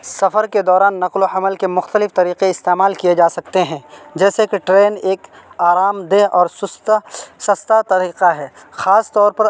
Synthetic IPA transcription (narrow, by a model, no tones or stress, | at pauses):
sɐfəɾked̪ɔːɾaːnːɐqlohɐməlkemʊxt̪əlɪft̪ɐɾiːqeɪst̪eːmaːlkijed͡ʒaːsɐkt̪eɦɛ̃d͡ʒɛːsekeʈɾeːneːk | aːɾaːmd̪eʔɔːɾsʊst̪sɐst̪at̪ɐɾiːqaɦɛː | xaːst̪ɔːɾpɐɾ